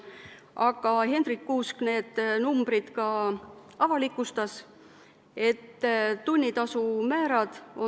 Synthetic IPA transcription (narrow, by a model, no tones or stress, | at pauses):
ʔɑɡ̥ɑhe̞nd̪̥rikːuːskne̞ːd̪̥numb̥ɾid̪̥kɑ | ɑvɑlikːˑust̪ɑs | e̞t̪ːt̪unʲːit̪ɑsumæːɾɑd̪̥o̞